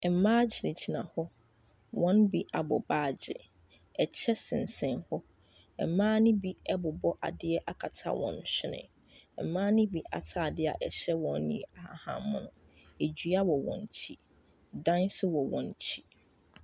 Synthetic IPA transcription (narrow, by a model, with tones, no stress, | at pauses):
ɛ˨m̩˨mãː˦d͡ʑɪ˨nɪ̃˨d͡ʑʰi˨nã˨hɔ˦ | wɔ̃˦nbi˦ʔa˨bɔ˨baː˦˨d͡ʑɪ̰˨ | ɛ˨t͡ɕʰɛ˦sɪ̃˨n˨sɛ̃˦nhɔ˦ | ɛ˨m̩˨mãː˦nɪ̃˦bi˦ɛ˦bʊ˨bɔ˦ʔa̰˨dɪ˦ɛ˦ʔa˨kʰa˨tʰa̰˦wʔɔ̰̃˨n˨ɕᶣɪ˦nɪ̰̃˨ | ɛ˨m̩˨mãː˦nɪ̃˦bi˨ʔa̰˨tʰa˨dɪ˦a̰˨ʔɛ˨ɕɛ˦wɔ̃˨n˦nĩ˦˨a˨ha˨hã˨mʊ̃˦˨nʊ̃˨ | e˨d͡ʑɥa˦wɔ˨wɔ̰̃˨n˨t͡ɕʰi˦ | dã˦nsʊ˦wɔ˨wɔ̰̃˨n˨˦t͡ɕʰi˦